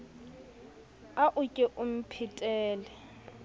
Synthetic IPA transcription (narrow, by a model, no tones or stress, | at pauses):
aʔʊkʼɪʔʊm̩pʰitʼɛːlɛ